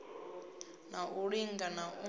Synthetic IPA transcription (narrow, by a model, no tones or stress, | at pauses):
naʔuɺiŋɡanaʔu